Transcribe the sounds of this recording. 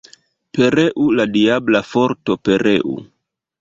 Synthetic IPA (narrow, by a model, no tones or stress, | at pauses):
pe̞ɾeʔuladiablafo̞ɾto̞pe̞ɾʔeʔṵ